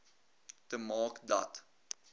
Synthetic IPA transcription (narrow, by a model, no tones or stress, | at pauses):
təmɑːkdɐ̰t